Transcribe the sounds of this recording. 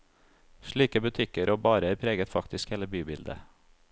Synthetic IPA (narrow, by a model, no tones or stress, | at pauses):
ʃɭiːkəbʉt̪ʰɪkəɾʔoːbɑːɾəɾpʰɾeːɡət̪fɑkt̪ɪskheːləbyːbɪld̪ə̰